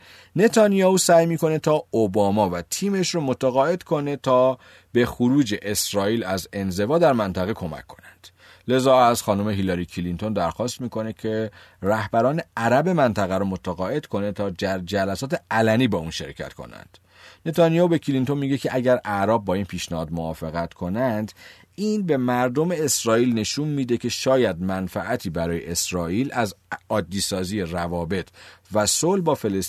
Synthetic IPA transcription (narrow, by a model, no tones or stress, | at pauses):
ne̞t̪ʰɒːnijɑuːsæːjmiːko̞ne̞t̪ʰɒːobɒːmɒːvæt̪ʰiːme̞ʃɾomo̞t̪ʰæɣɒːe̞d̪̥kʰo̞ne̞t̪ʰɒː | b̥e̞xoɾuːd͡ʒe̞ʔesɾɒːiːlæze̞nze̞vɒːd̪æɾmænt̪ʰæɣekʰo̞mæ̰kʰːo̞̥nænd̪̥ | le̞zɒːæzxɒːnume̞ɦilɒɾicʰilint̪ʰo̞nd̪æɾxɒːst̪miːkʰo̞ne̞cʰe̞ræhbæɾɒːne̞æɾæbe̞mænt̪ʰæɣæɾomo̞t̪ʰæɣɒːe̞d̪̥kʰo̞ne̞t̪ʰɒːd͡ʒæɾd͡ʒælæsɒːt̪eælæniːbɒːuːnʃe̞̰ɾcʰæ̰t̪kʰo̰næ̰nd̪̥ | ne̞t̪ʰɑnijobe̞cʰilint̪onmiːɟe̞cʰeʔæɟæɾæʔɾɒːb̚ːɒːiːnpʰiːʃnæhɒ̰ːd̪moɒːfe̞ɣæt̪kʰo̞nænd̪ | iːnbe̞mæɾd̪o̞me̞ːsɾɒːiːlne̞ʃuːnmiːd̪e̞cʰe̞ʃɒːjæd̪̚mænfæʔæt̪ʰiːbæɾɒːje̞̰ʔesɾɒːʔiːlæzɒːd̪ːiːsɒːziːjerævɒːbe̞t̪ʰvæsolbɒːfe̞les